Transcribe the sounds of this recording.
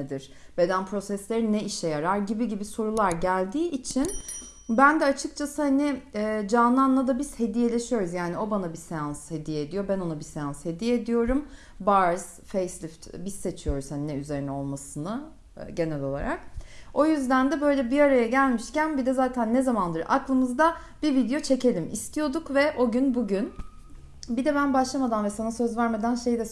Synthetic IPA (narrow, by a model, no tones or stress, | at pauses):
ed̪iɾ̥ | b̥e̞d̪ænpʰɾo̞sɛslʲe̞ɾinːɛiʃɛjaɾaɾɟibiɟibiso̞ɾulˠaɾɟælʲd̪iːʔit͡ʃʰin | bænd̪ɛat͡ʃʰɯk̚t͡ʃʰasɯhaniːd͡ʒanlˠanlˠad̪abiz̥he̞d̪ije̞lʲe̞ʃijo̞ɾuzjaːnio̞banabisejanshe̞d̪ijɛːd̪ijo̞bæno̞nabisejanshe̞d̪ijɛːd̪ijo̞ɾum | baɾz̥ | fejslʲift̪bizse̞t͡ʃʰijo̞ɾuzhaninɛyze̞ɾinɛo̞lˠmasɯnɯ | ɟe̞nɛlʲo̞lˠa̰ɾak̚o̞jyzd̪ænd̪ɛbø̞jlʲɛbiaɾajaɟælʲmiʃcænbid̪ɛzaːt̪ʰænːɛzamand̪ˠɯɾa̰klˠɯmɯzd̪a | b̥ivid̪ejo̞t͡ʃʰe̞cʰe̞lʲimḭst̪ʰijo̞d̪ukvɛʔo̞ɟynbuɟyn | bid̪ɛbænbaʃlˠamad̪anvɛsanasøzvæɾmad̪ænʃe̞jd̪ɛ